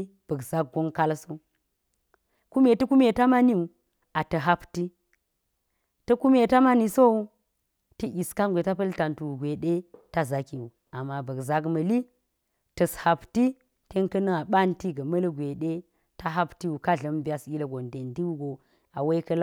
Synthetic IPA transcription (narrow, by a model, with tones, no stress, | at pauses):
b̥ɐ˨kza˦k̚ɡo˦ŋka˦lso˦ | ku˦me˨tɐ˦ku˦me˨ta˦ma˦ni˦u˨ | a˨tɐ˨ɦa˦pti˦ | tɐ˦ku˦me˨ta˦ma˦ni˨so˦u˦ | tə˦ʔi˨ska˦nɡʷe˨ta˦pɐ˦lta˨ntu˨u˨ɡʷe˨ɗe˦ta˦za˨ki˨wu˨ | a˨mːa˨bɐ˨kza˦kmɐ˨li˦ | tɐ˨sha˨pti˦ | te˦ŋkɐ˦nɐ˦ŋa˨ɓa˦nti˦ɡɐ˨mɐ˦lɡʷe˨ɗe˦ | ta˦ɦa˦pti˦wu˨ka˦ɮɐ˨mba˦si˦lɐ˨ɡo˨nde˨ndi˦wu˦ɡo˨ | a˨we˦kɐ˦l